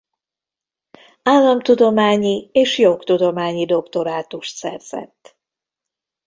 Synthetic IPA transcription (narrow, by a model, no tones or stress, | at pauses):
aːlːɒmt̪ud̪o̞maːɲieːʃjo̞kt̪ud̪o̞maːɲid̪o̞kt̪o̞ɾaːt̪uʃt̪sɛ̰rz̥ɛ̰t̪ː